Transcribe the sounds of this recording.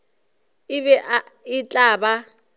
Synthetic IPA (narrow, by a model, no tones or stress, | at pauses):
ɪβɛʔaɪt͡ɬʼaːba